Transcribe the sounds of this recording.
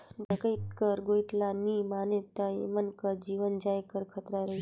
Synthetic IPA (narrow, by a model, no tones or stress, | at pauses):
bəkəjt̪̚kəɾɡojʈlanimanet̪ːãjḛmənkəd͡ʒiːʋənd͡ʒajkəɾkʰət̪ɾaɾəɦi